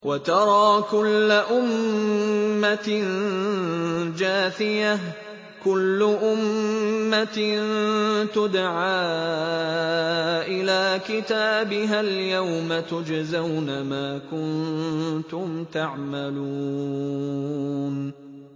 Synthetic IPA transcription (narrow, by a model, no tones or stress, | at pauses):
wʔat̪ɑɾˤɑːkʊlːaʔʊmː | an | d͡ʒaːθɪja | kʊlːʊʔʊmːatnt̪ʊd̪ʕaː | ʔɪlaːkɪt̪aːbɪɦaljawmat̪ʊd͡ʒzawnamaːkʊnt̪ʊmt̪aʕmalu | n